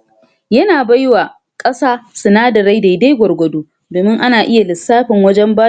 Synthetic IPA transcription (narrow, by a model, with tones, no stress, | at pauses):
jɐ˦naː˨ba˦jwaː˨ | kʼɐ˦saː˦sʊ˨naː˦dɐ˨ɾa˦jda˨jda˦jɡʷɔ˨rɡʷɔ˨doː˦ | doː˨mɪ˦ŋʔa˦naː˨ʔɪ˦ja˨lɪ˨sːaː˦ɸɪ˨ŋwɐ˦d͡ʒɛ˦mbaː˦